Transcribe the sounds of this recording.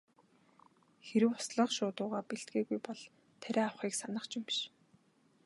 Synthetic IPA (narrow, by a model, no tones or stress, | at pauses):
xeɾɘ̆wʊsɮə̆χʃʊːt̪ʊːʁaːpeɬt̪̚ɡeːɣujpɔɮ | t̪ʰæɾʲæːawχiːksanə̆χt͡ɕimʃ